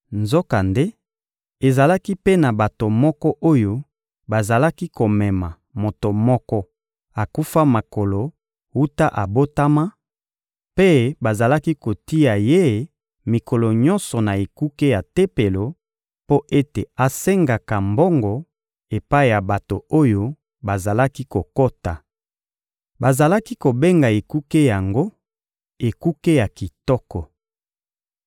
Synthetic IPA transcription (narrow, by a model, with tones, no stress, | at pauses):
nzo˦ka˨nde˦ | e˨za˨la˦ki˦pe˦na˨ba˨to˨mɔ˦kɔ˦ʔo˦jo˦ | ba˨za˨la˦ki˦ko˨mɛ˨ma˨ | mo˨to˨mɔ˦kɔ˦ | a˨ku˦fa˦ma˨ko˨lo˨ | wu˦ta˦ʔa˨bo˦ta˦ma˦ | pe˦ba˨za˨la˦ki˦ko˨ti˦a˨je˦ | mi˨kɔ˨lɔ˨ɲɔ˦nsɔ˨na˨e˨ku˦ke˦ja˨te˦pe˨lo˨ | po˦ʔe˦te˨a˨se˦ŋɡa˨ka˨mbɔ˦ŋɡɔ˨ | e˨pa˦i˦˨ja˨ba˨to˨o˦jo˦ | ba˨za˨la˦ki˦ko˨ko˦ta˨ | ba˨za˨la˦ki˦ko˨be˦ŋɡa˨e˨ku˦ke˦ja˨ŋɡo˦ | e˨ku˦ke˦ja˨ki˨tɔ˦kɔ˨